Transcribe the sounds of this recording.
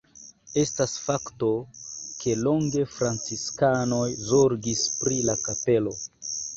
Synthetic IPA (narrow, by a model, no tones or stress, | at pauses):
e̞stasfakto̞kʰe̞lo̞ŋɡe̞fɾant͡siskano̞jzoɾɡispɾilakape̞lo̞